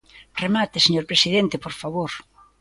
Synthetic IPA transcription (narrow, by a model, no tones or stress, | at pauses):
remat̪eseɲoɾpɾesið̞ent̪epoɾfaβoɾ